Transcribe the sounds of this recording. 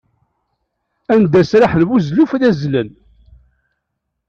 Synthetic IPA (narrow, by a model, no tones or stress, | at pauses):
ænd̪æsɾaħənwuzlufðæzlən